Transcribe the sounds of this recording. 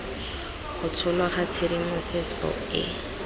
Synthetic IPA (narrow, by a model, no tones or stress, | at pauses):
χʊt͡sʰʊlwaχat͡sʰeɾimʊset͡sʼɔ̰ | ɪ̰